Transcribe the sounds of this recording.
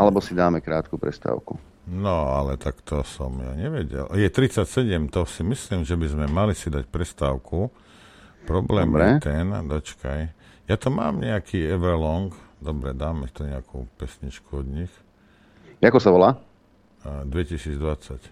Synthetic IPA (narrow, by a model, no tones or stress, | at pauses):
alɛbɔsid̪aːmɛkɾaːt̪kupɾɛst̪a̰ːʊku | nɔalɛt̪akt̪ɔsɔmja̰ɲɛʋɛɟɛ̰ljɛt̪ɾit͡sacsɛɟɛmt̪ɔsimisliːmʒɛbizmɛmalisid̪ac̚pɾɛst̪aːʊkʰu | pɾɔblɛːmmɛt̪ɛnd̪ɔt͡ʃkajjat̪ɔma̰ːmɲɛakʰiːɛʋɾɛlɔŋkd̪ɔbɾɛd̪aːmɛt̪uɲɛakʰuːpɛsɲit͡ʃkuɔd̪ɲix | akɔsaʋɔlaː | d̪ʋɛcisiːd͡zd̪ʋat͡sac